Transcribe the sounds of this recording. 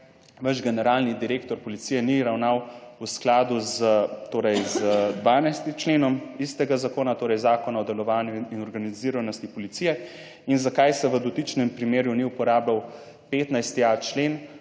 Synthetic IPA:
ʋəʒɡɛnɛɾaːlnid̪iɾeːkt̪ɔɾpɔlit̪siːjɛniɾawnaːwusklaːd̪uzt̪oːɾɛjzəd̪ʋaːnajst̪it͡ʃleːnɔmist̪ɛɡazakoːnat̪oːɾɛjzaːkɔnaɔd̪ɛlɔʋaːnjuinɔɾɡaniziːɾanɔst̪ipɔlit̪sijɛ | inzakajsɛʋəd̪ɔt̪it͡ʃnɛmpɾimeːɾjuniupɔɾaːblaw | peːt̪najst̪iat͡ʃlen

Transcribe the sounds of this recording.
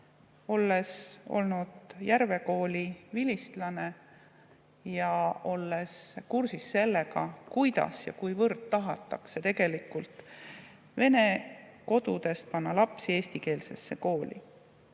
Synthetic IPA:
o̞lːe̞so̞̰lnud̪̥jærve̞ko̞ːlʲivilist̪lɑne̞ | jɑo̞lːe̞skursisːe̞lːeɡɑkujd̪ɑ̰sjɑ̰kujvɤrd̪̥t̪ːɑɦɑt̪ˑːɑ̰kse̞t̪e̞ɡe̞likːult̪ˑ | ve̞ne̞ko̞d̪ud̪e̞st̪̚pɑnːɑlɑpsie̞ːst̪ike̞ːlse̞sːe̞ko̞ːlʲḭ

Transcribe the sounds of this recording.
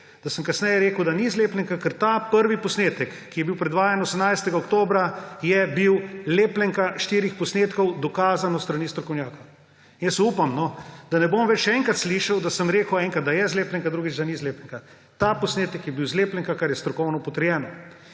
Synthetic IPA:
d̪̥asəmkasnɛjɛɾeːkəwd̪anizleːplɛŋkakəɾt̪apəɾʋipɔsneːt̪əkːijɛbiwpɾɛd̪ʋaːjanosəmnajst̪ɛɡaokt̪oːbɾajɛbiwleːplɛŋkaʃt̪iːɾixpɔsneːt̪kɔwd̪ɔkaːzanɔst̪ɾaniːst̪ɾɔkɔwnjaːkow | injɛsuːpamnɔd̪̥anɛbomʋɛt͡ʃʃɛŋkat̪sliʃɐwd̪asəmɾeːkəwɛŋkɾat̪̚d̪ajɛzleːplɛŋkad̪ɾuːɡit͡ʃd̪anizleːplɛŋka | t̪apɔsneːt̪əkjɛbiwzleːplɛŋkakaɾjɛst̪ɾɔkɔwnɔpɔt̪əɾjɛːnɔ

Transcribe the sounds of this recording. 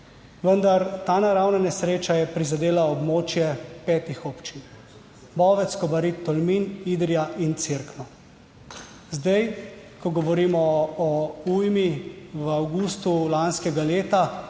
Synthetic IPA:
ʋənd̪aɾt̪aːnaɾawnanɛsɾeːt͡ʃajɛpɾizad̪eːlaɔbmoːt͡ʃjɛpɛːt̪ixɔpt͡ʃin | bɔːʋɛt̪skɔbaɾit̪ːɔlminid̪ɾijaʔint̪siɾknɔ | zd̪ajkɔɡɔʋɔɾiːmɔɔujmiʋawɡust̪ulanskɛɡaleːt̪a

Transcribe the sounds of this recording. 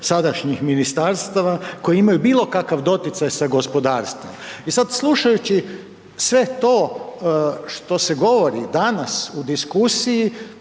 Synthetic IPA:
sad̪aʃɲixminist̪aɾst̪aʋako̞jiimajubiːlo̞kakaʋd̪o̞t̪jɪt̪sajsaɡo̞spo̞d̪aːɾst̪ʋo̰misad̪slˠuʃajut͡ɕi | sʋe̞t̪o̞ː | ʃt̪o̞seɡo̞ʋoɾid̪anasud̪iskusiji

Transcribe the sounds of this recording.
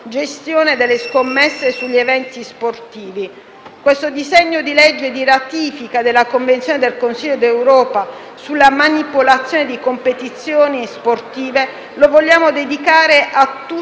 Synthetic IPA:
d͡ʒest̪joːned̪elːeskomːesːesuʎːievɛnt̪isport̪iːvi | kwest̪od̪izeɲːod̪ilɛd͡ʒːed̪iɾat̪iːfikad̪elːakoɱvent̪sjoːned̪elkonsiʎːod̪ewɾɔːpa | sulːamanipolat̪sːjoːned̪ikompet̪it̪sːjoːnisport̪iːve | lovoʎːaːmod̪ed̪ikaːɾeʔat̪ːu

